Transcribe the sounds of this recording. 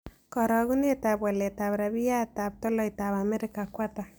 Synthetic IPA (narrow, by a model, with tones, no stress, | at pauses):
kɔ˨ɾɔ˨ɣu˦ne˦ta˨bwa˨le˨ta˨βɾaβi˦ja˦ta˨p̚tɔ˦lɔ˦itaβamɛ˦ɾɪka˨kwata˨